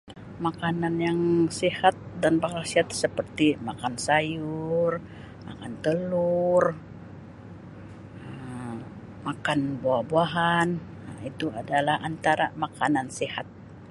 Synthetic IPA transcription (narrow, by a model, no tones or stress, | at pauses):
makananjaŋsihat̪̚danbaŋasiat̪̚səpərt̪imakansajur | ma̰kant̪əlur | ə | makanbawahbuaɦan | it̪uadalahant̪aɾamakanansihat̪̚